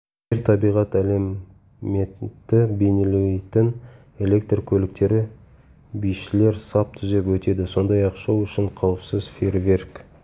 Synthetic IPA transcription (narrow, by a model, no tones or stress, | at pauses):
eɾt̪ʰɑbijʁɑt̪æle̞mː | et̪ːɪbe̞nelet̪ɪn | e̞le̞k̚t̪rkʲʰɵlɪk̚t̪e̞ɾɪ | bijʃɪle̞ɾsɑp̚t̪ʰʏzepwɵt̪e̞d̪ɪso̞nd̪ɑjɑqʃɑwʏʃɪɴqʰɑwəpsəzfervʲe̞rk